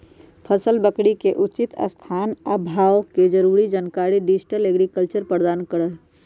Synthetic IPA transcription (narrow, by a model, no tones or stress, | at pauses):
pʰəsəlbəkɽikeʔut͡ʃit̪ə̰st̪ʰaːnəbʱaːwked͡ʒəɾuɾid͡ʒənkaɾiɖid͡ʒʈəleɡɾikəlt͡ʃəɾpəɾd̪aːnkəɾə